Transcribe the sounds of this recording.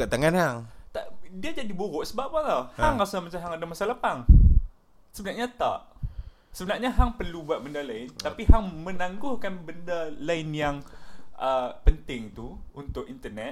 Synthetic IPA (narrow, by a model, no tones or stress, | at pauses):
kaʔt̪aŋanhaŋt̪aʔdiad͡ʒadibuɾʊʔsəbap̚alahaŋasuamat͡ʃamɦaŋadamasaləpaŋ | səbənarɲat̪a̰ʔ | səbənarɲaɦaŋpərlubuat̪̚bəndalaɪnt̪apiɦaŋmənaŋɡʊhkanbəndalaɪnjaŋʔəpənt̪ɪŋt̪uunt̪ʊkint̪ərnɛ